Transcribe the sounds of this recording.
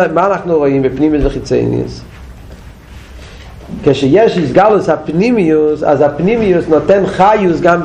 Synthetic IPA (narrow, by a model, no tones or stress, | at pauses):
manaχnoʁɔnvɪpnimiəsdɪχɪt͡sḛɪnj̰ə̰s | kɛʃɛjɛʃɪsɡalˠəsapnimiʊsa̰zapnimiʊsnɔtɛnχajʊsɡanb